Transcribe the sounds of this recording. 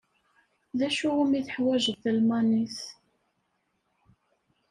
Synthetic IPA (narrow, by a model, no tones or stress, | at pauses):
ðæʃuæmiθəħwæʒəθlmæniθ